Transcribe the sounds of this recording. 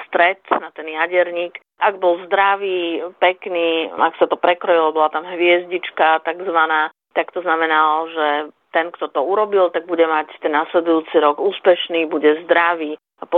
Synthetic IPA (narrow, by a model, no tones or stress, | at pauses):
st̪ɾɛt̪nat̪ɛnjaɟɛɾɲiːk | ʔaɡbɔlzd̪ɾaʋiːpɛkniːaksat̪ɔpɾɛkɾɔjilɔbɔlat̪amɦʋɪɛzɟit͡ʃkat̪aɡzʋanaː | t̪akt̪ɔznamɛnalʒɛt̪ɛnkt̪ɔt̪ɔuɾɔbilt̪aɡ̚buɟɛmact̪ɛnːaslɛd̪ujuːt͡siɾɔɡuːspɛʃniːbuɟɛzd̪ɾaʋiː | apɔ